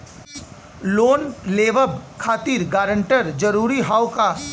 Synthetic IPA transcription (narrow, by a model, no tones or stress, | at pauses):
loːnleːʋəbkʰaːt̪iːɾɡaːɾə̃ɳʈəɾd͡ʒɐɾuːɾiɦaːwka